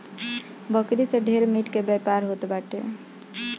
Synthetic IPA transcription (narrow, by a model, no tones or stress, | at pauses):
bəkɾiseɖʱeɾmiʈkebɛpaɾɦot̪baʈḛ